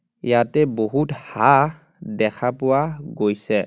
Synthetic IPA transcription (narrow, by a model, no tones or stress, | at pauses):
jatɛboɦutha | dɛkʰapʊwaɡojsɛ